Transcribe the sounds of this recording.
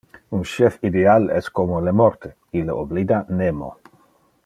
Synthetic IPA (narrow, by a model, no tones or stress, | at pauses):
unʃɛfid̪ealɛskomolemoɾt̪e | ileoblid̪anemo̰